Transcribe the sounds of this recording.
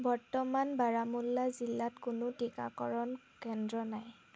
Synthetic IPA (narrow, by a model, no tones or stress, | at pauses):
bɔɹtɔmanbaɹamulːazilːatkʊnʊtika̰kɔ̰ɹɔn | kɛndɹɔnaj